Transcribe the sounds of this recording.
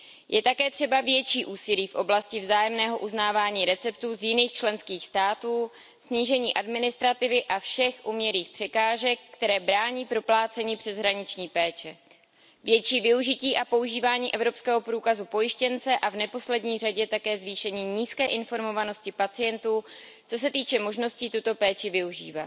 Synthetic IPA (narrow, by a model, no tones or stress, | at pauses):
jʔɛt̪akɛːt̪r̥ɛbavjɛt͡ʃiːʔuːsɪliːfʔo̞blascɪvzaːjɛmnɛːɦo̞ʔuznaːvaːɲiːɾɛt͡sɛp̚t̪uːzjɪniːxt͡ʃlɛnskiːxst̪aːt̪uː | sɲiːʒɛɲiːʔadmɪnɪst̪ɾat̪ɪvɪʔafʃɛxʔumɲɛɾiːxpr̝̥ɛkaːʒɛkːt̪ɛɾɛːbɾaːɲiːpɾo̞plaːt͡sɛɲiːpr̝̥ɛzɦɾaɲɪt͡ʃɲiːpɛːt͡ʃɛ | vjɛt͡ʃiːvɪuʒɪciːʔapo̞uʒiːvaːɲiːʔɛvɾo̞pskɛːɦo̞pɾuːkazupo̞jɪʃcɛnt͡sɛʔavnɛpo̞slɛdɲiːraɟɛt̪akɛːzviːʃɛɲiːɲiːskɛːʔɪnfo̞ɾmo̞vano̞scɪpat͡sɪjɛnt̪uː | t͡so̞s̬ɛt̪iːt͡ʃɛmo̞ʒno̞sciːt̪ut̪o̞pɛːt͡ʃɪvɪuʒḭːvat̪